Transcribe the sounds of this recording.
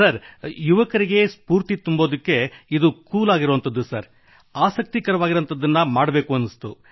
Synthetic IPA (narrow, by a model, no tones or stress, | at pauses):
sɐɾjuʋɐkɐɾiɡe̞spuːɾt̪it̪umboːd̪ikːe̞id̪ukuːlaːɡiɾoːnt̪ɐd̪ːusɐɾ | aːsɐk̚t̪ikɐɾɐʋaːɡiɾɐnt̪ɐd̪ːɐnːɐmaːɽɐbe̞ːkuɐnːist̪u